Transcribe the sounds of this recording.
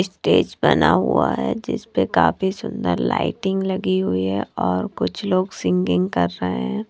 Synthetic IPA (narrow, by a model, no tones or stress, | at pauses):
sʈeːd͡ʒbɐnaɦuaɦɛd͡ʒɪspekaːfisʊ̃nd̪əɾla̰ːɪʈɪ̃ŋɡlɐɡiɦʊiɦɛɔːɾkʊt͡ʃʰloːɡsɪ̃ŋɡɪ̃ŋɡkɐɾːəɦẽɦɛ̃ː